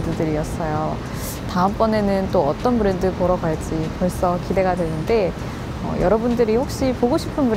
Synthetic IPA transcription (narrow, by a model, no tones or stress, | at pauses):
dɯdɯɾiʌs͈ʌjo | taɯmp͈ʌne̞nɯnt͈oʌt͈ʌnpɯɾe̞ndɯpoɾʌɡaɭd͡ʑ͈ipʌɭs͈ʌkide̞ɡadwenɯnde̞ | ʌ̰jʌɾʌbundɯɾiɸok̚ɕ͈ipoɡoɕʰi̥pʰɯnpɯɾ